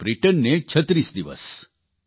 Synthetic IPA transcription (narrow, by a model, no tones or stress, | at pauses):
bɾiʈənːet͡ʃʰət̪ɾisd̪iʋə̰s